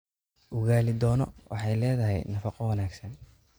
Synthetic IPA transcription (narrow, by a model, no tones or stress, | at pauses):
ʔʊɣaːlɪd̪ɔːnɔ̰wʔɑ̰ħɑjlɛːðɐɦɛ̰jnɐfɑqɔwɐnaːɡsɐn